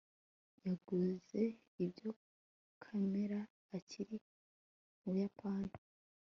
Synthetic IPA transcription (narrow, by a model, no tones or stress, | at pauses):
jaɡuze̞ | ibjo̞ | kʰame̞ɾaː | cʰiɾi | uβujapʰaːnhḁ